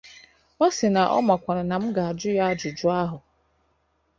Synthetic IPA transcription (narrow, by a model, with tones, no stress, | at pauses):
ba˦sɪ˨na˨ʔɔ̰˦ma˨kʷa˨ɾa˨na˨m̩˦ɡa˨a˨d͡ʒʊ˦ja˦d͡ʒʊ˨d͡ʒʊ˦a˦ɦʊ˨